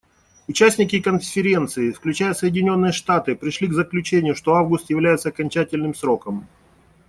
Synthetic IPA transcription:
ʊt͡ɕæsʲnʲɪkʲɪkənfʲɪɾʲe̞nt̪sɨɪfklʲʉt͡ɕæjəsəjɪdʲɪnʲo̞nːɨjəʂt̪at̪ɨpɾʲɪʂlʲiɡzəklʲʉt͡ɕenʲɪjʊʂt̪o̞avɡʊst̪jɪvlʲæjɪt̪səɐkɐnʲt͡ɕætʲɪlʲnɨmsɾo̞kəm

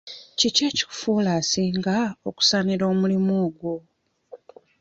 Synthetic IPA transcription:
ciceːci̥fuːlaːsiːŋɡaoku̥saniɾo̞ːmulimuːɡwo

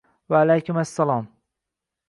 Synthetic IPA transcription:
vaːlajkʊmasːalɑːm

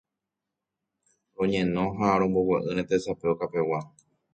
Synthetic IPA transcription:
ɾõ̞ɲẽ̞nõ̞ɦaɾ̃õmbo̞weʔɨɾ̃ẽt̪esapeokape̞wa

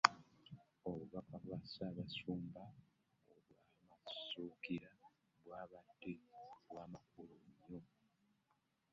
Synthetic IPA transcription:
oβuβakaβwasaːβasuːmba | oβwaːmasuːkiɾa | βwaːβadːeβwaːmak̚uloɲːo

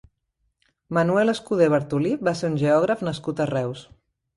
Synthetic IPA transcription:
mənuɛləskuð̞eβəɾt̪ulibaseɾunʲʒeɔɣɾəfnəskut̪ərɛws

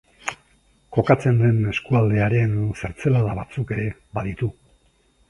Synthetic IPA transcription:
ko̞kat͡se̞nd̪e̞ne̞skuald̪e̞aɾe̞nseɾt͡se̞laðaβat͡suke̞ɾe̞ | baðit̪u

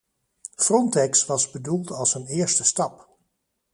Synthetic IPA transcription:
frɔntɛksʋɑzbədulˠtɑlˠsənɪːɹstəstɑp

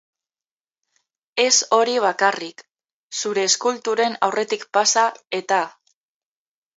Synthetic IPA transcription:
e̞so̞ɾiβ̞akarik | suɾe̞ːskult̪uɾe̞na̰wre̞t̪ikpasae̞t̪a

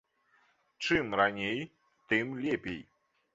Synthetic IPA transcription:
t͡ʂɨmɾanʲej | t̪ɨmlʲɛpʲḛj

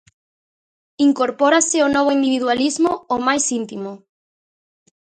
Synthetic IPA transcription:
iŋkoɾpɔɾasɪonɔβoind̪iβiðwalizmoomajsint̪imo

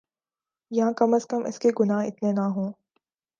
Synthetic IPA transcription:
jɐɦãkɐməskəmɪ̰skeɡʊnaːɦɪ̰t̪nenaɦõː

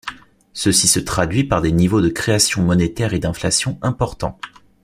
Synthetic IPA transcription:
səsisət̪χad̪ɥipaʁd̪enivod̪əkχeasjɔ̃mɔnet̪ɛʁed̪ɛ̃flasjɔ̃ɛ̃pɔʁt̪ɑ̰̃

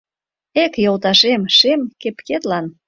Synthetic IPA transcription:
ekjolˠt̪ɑʃemʃemkepket̪lɑn

